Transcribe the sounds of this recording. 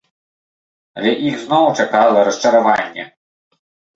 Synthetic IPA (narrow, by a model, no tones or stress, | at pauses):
ɐ̰lʲɛʔiɣznɔwt͡ʂakalˠɐɾɐst͡ʂɐɾavanʲːɛ̰